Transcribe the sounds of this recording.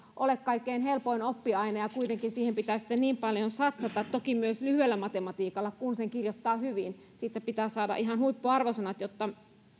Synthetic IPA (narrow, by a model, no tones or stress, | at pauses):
ʔolekkɑikːeinhelpoinopːiɑinɑjɑkuit̪eŋkinsiːhempit̪æːsi̥t̪ːenniːmpɑljonsɑt̪sɑt̪ɑt̪t̪okimyøslyhyelːæmɑt̪emɑt̪iːkɑlːɑkunseŋkirjot̪ːɑːhyʋin | siːt̪ːˑæpit̪æːsɑːdɑ̰ʔiɦɑnhuipːoɑrʋosɑnɑt̪jot̪ːɑ